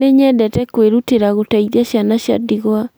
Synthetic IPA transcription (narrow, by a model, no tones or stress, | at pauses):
eɲɛdɛtɛkweɾuteɾaɣotaiðiaɕjanaɕja̰diɣwa